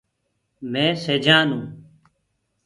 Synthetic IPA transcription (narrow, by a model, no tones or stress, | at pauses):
mẽːseːd͡ʒaːnũː